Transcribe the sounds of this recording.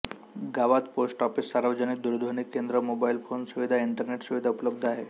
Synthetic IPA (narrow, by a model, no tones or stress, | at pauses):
ɡaʋat̪posʈɔfisːaɾʋəd͡ʑəniːd̪uɾd̪ʱoniːkːend̪ɾəmobailfonsuʋid̪ʱaiɳʈəɾneʈsuʋid̪ʱaupləb̚d̪ʱaɦe